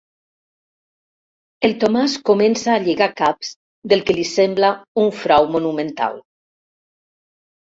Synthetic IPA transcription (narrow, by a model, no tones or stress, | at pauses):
elˠt̪omaskomensaːʎeɣakaps | d̪elˠkelisemblauɱfɾawmonumẽnt̪a̰lˠ